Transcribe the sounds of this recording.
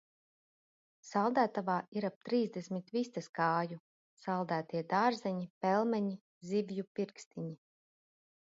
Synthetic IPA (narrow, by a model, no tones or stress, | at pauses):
salˠd̪æːt̪avaːiɾap̚t̪ɾiːzd̪esmit̪vist̪askaːju | salˠd̪æːt̪iɛd̪aːɾzɛɲipɛlˠmɛɲi | zivjupiɾkst̪iɲi